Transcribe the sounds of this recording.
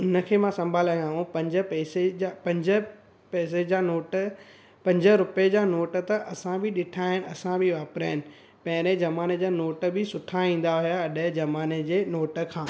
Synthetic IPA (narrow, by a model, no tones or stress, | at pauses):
ʊnə̆kʰeːmãsɐ̃mbʱaːlaj̃ãːɦũpɐ̃ɲd͡ʑə̆pɛːseapɐ̃ɲd͡ʑə | pɛːs̬ed͡ʑaːnoːʈ | pɐ̃ɲd͡ʑəɾʊped͡ʑaːnoːʈə̆t̪ɐʔɐsãbʱɪɗɪʈʰaːɪnɪ̆ɐsãbʱɪʋaːpɾaːɦɪnɪ̆ | pɐ̃ɦɪ̃ɾed͡ʑɐmaːned͡ʑaːnoːʈbɪsʊʈʰaĩːn̆d̪aɦʊjaɐɗəd͡ʑɐmaːned͡ʑeːnoːʈə̆kʰãː